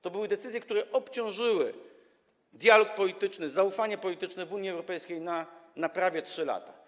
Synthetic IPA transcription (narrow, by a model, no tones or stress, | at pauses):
t̪ɔbɘwɘd̪ɛt̪sɘzʲjɛkt̪uɾɛʔɔpt͡ɕɔ̃w̃ʐɘwɘ̰ | d̪ʲjalɔk̚pɔlʲit̪ɘt͡ʂnɘzaufaɲɛpɔlʲit̪ɘt͡ʂnɛvuɲjiɛwɾɔpɛjskʲejnanapɾavʲjɛtʂɘla̰t̪ḁ